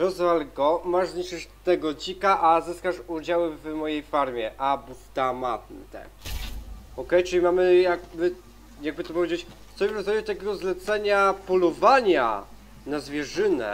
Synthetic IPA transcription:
ɾɔzvalɡɔmaʐzɲiʂɘʂt̪ɛɡɔd͡ʑikaʔazɘskaʂud͡ʑawɘvmɔjejfaɾmʲjɛʔabuft̪amat̪̚nt̪ɛ̰ | ɔkɛjt͡ʂɨlʲimamɘjaɡ̚bɘ | jaɡ̚bɘt̪ɔpɔvʲjed͡ʑet͡ɕ | st̪ɔbʲepɔsad͡ʑut̪akʲɛɡɔzlɛt̪sɛɲapɔlɔvaɲa̰ | nazvʲjɛʐɘnɛ̰

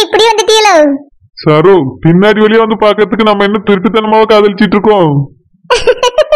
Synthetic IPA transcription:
ɪpːɐɽiʋɐnd̪ɯt̪iːɐlɐ | saːɾoːpɪnːaːɽiʋɐlɪjeːʋɐnd̪ɯpaːɾkɯɾɐðɯkːɯnɐmːɐɛnːɐt̪ʊɾɪpːit̪ːɐnɐmaːʋɐkaːðɐlɪt͡ʃːɪʈːɾɯkːõː

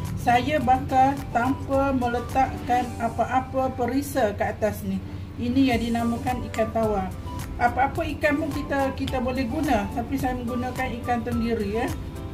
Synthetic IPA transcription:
sajabakalt̪ampamə̃lət̪aʔkanapaʔapapəɾisakəat̪asnih | inijaŋdinamãkanikant̪awa | ʔapaːpaikanmʊŋkit̪akit̪abolɛhɡunãt̪apisajamə̃ŋɡunãkanikansəndiɾia

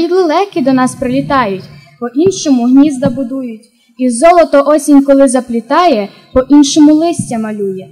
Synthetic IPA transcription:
jid̪lˠɪlˠɛxkʲid̪ɔnɑspɾelʲit̪ɑjʊtʲ | pɔʔinʃɔmʊɦnʲizd̪ɐbʊd̪ujʊtʲ | izɔlˠɔt̪ɔʔɔsʲinʲkɔlˠɪzɐplʲit̪ɑjɛ | pɔʔinʃɔmʊlˠɪsʲtʲɐmɐlʲujɛ

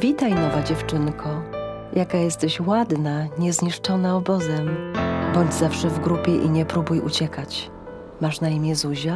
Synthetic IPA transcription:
vʲit̪ajnɔvad͡ʑɛft͡ʂɘnkʰɔ | jʔakajɛst̪ɛɕwad̪naɲɛzɲiʂt͡ʂɔnaɔbɔzɛmbɔɲd͡ʑzafʂɛvɡɾupʲjɛʔiɲɛpɾubujṵt͡ɕɛkat͡ɕ | maʂnaimʲjɛzuʑɛ

